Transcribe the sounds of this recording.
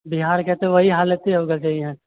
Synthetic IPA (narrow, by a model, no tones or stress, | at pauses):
biɦaːɾkɛɦt̪ẽʋɐɦiɦaːlət̪ɦiɦoɡət͡ʃaːɦiɦɛ̃ː